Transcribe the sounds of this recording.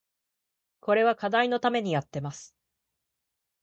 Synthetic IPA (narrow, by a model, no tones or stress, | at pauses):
ko̞ɾe̞β̞akad̪aino̞t̪ame̞ɲ̟ijat̪ːe̞masɨ̥